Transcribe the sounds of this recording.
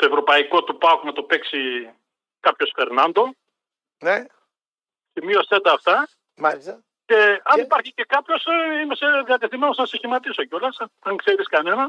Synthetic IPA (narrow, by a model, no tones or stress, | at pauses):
t̪o̞evɾo̞pɐiko̞t̪upɐknɐt̪o̞peksi | kɐpço̞sfe̞ɾnɐnd̪o̞ | ne | semio̞st̪e̞t̪ɐːft̪ɐ | mɐlisɐ | ce̞ɐnipɐɾçice̞kɐpço̞seimeseðiɐt̪eθime̞no̞snɐseçimɐt̪isocolɐsɐɐŋkse̞ɾiskɐne̞nɐ